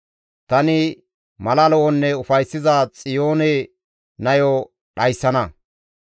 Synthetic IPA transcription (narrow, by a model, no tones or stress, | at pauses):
t̪ɐnɪ | mɐlɐlɔʔɔnːɛʊfɐjsːɪzaːt͡sʼɪjoːne | nɐjɔ | ɗɐjsːɐnɐ